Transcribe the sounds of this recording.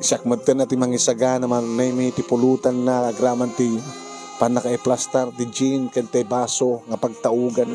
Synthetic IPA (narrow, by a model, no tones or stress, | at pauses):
sak̚mɐd̪̚t̪ːənat̪imaŋisaɡanamanɛjmit̪ɪpʊluːt̪anːakaɡɾaːmant̪i | panakaɛplast̪aɾt̪ɪd͡ʒinkant̪ajbaːsoŋɐpaɡ̚t̪aʔuːɡan